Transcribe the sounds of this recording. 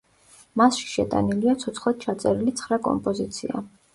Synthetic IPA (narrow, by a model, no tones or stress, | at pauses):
masʃi̥ʃɛt̪ʼa̰niliat̪sʰɔt̪sʰχlat̪̚t͡ʃʰat̪sʼɛɾilit̪sʰχɾakʼɔ̰mpʼɔzit̪sʰḭa̰